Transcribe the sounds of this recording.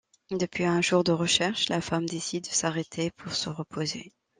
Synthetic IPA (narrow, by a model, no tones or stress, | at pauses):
d̪əpɥiɛ̃ʒuʁd̪əʁəʃɛʁʃlafamd̪esid̪ːəsaʁet̪ʰepʰuʁsəʁəpʰozḛ